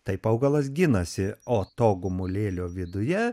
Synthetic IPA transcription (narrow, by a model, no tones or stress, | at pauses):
t̪ɐɪpɐʊɡɐlˠɐs̬ɡʲɪnɐsʲɪoːt̪oːɡʊmʊlʲeːlʲoːʋʲɪd̪ʊjɛ